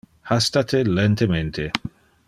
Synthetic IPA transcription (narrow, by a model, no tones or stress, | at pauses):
hast̪at̪ʰelɛnt̪ement̪ʰe